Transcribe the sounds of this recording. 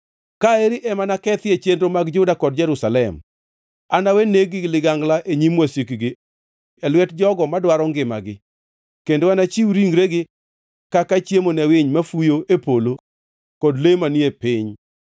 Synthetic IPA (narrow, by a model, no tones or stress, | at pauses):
kaeɾiʔɛmanakɛt̪jet͡ʃendɾomaɡd͡ʒʊdakɔdd͡ʒɛɾusalɛm | anaweneɡɪlɪɡaŋɡlaʔeɲimwasikiɡɪ | ɛlwɛtd͡ʒɔɡɔmadwaɾɔŋɡɪma̰ɡɪ | kendoanat͡ʃiwɾiŋɡɾeɡɪ | kakat͡ʃjemonɛwɪɲmafujoʔepolo | kɔdlemaniepɪɲ